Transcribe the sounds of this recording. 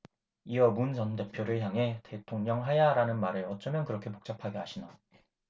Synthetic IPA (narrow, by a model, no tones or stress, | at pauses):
iʌmunsʰʌnde̞pʰjoɾɯɭçjaŋɦe̞te̞tʰoŋɲʌŋɦajaɾanɯnmaɾɯɭʌt͡ɕ͈ʌmjʌnkɯɾʌkʰe̞pok̚t͡ɕ͈apʰaɡeɦaɕʰina